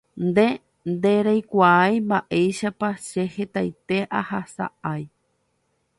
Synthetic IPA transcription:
nd̪e̞ | nd̪eɾajkʷaajmbaʔejʃapaʃehe̞t̪ajt̪e̞ʔahasa̰ʔaj

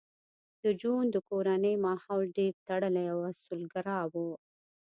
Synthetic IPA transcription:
d̪̥əd͡ʒund̪əkoɾanəjmɑhɑlɖeɾt̪aɽəlajawasulɡaɾɑwu

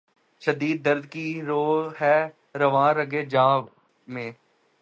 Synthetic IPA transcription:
ʃəd̪iːd̪̚ːəɾd̪kiɾoːɦɛː | ɾəʋãːɾəɡeːd͡ʒãːʋ | mẽː

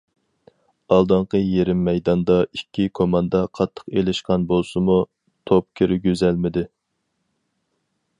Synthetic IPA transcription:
ɑlˠd̪ɑɴqəjeɾɪmːɛjd̪ɑnd̪ɑikʲːikʰomɑnd̪ɑqʰɑt̪ʰːə̥qelɪʃqɑnbolˠsɨmu | t̪ʰop̚kʲʰiɾɪɡʲøzælmɪd̪ɪ

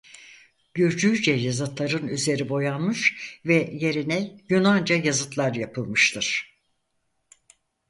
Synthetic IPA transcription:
ɟ̥yɾd͡ʒyjd͡ʒɛjazɯt̪lˠaɾɯnyze̞ɾibo̞janmɯʃvɛje̞ɾinɛjynand͡ʒajazɯt̪lˠaɾjapʰɯlˠmɯʃt̪ʰɯɾ̥

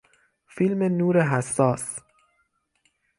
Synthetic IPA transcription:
filmenuːɾeɦæsːɒːs

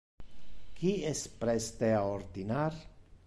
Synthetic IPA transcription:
kiespɾest̪eaoɾd̪inaɾ

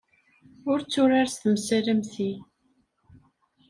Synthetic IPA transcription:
ʊɾt͡sːʊɾaɾst̪əmsəɾəmθi

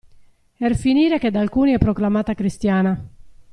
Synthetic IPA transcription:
ɛrfiniːɾeked̪alkuːniɛpːɾɔklamaːt̪akɾist̪jaːna

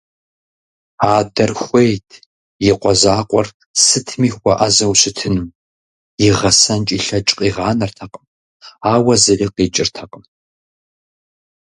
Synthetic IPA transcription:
aːdɐrxʷejtʰ | jɪqʷɔzaːqʷʼɔr | sɨtʰmiːxʷɐʔazɐwɕɪtʰɨnɨm | jɪʁɐsɐnt͡ʃʼiɬɐt͡ʃʼqʼiːʁɑːnɐrtʰɐqʼəm | aːwɐzɐriqeːt͡ʃʼɪrtʰɐqʼəm

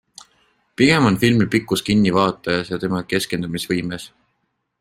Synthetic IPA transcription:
piɡ̥e̞mo̞nfilmipikːˑuskinːivɑːt̪ːˑɑjɑsjɑt̪e̞mɑke̞ske̞nd̪umisvɤjmes

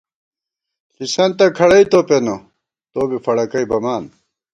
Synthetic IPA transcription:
ɬisɐnt̪ɐkʰɐɽɐit̪openo | t̪oːbifɐɽɐkɐjbɐmaːn

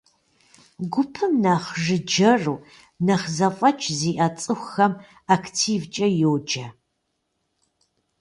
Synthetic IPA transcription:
ɡʷʊpʰɨmnaːχʒɨd͡ʒɐruː | nɐχzɐfʼɐt͡ʃʼʰziːʔɐt͡sʼɨxʷxɐm | akʰtʰiːvt͡ʃʼɐjowd͡ʒʼɐ

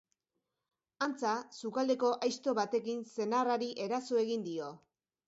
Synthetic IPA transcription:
ant͡sasukald̪e̞ko̞ʔajst̪o̞βat̪e̞kinse̞naraɾiʔe̞ɾasoe̞ɣ̞ind̪io̞

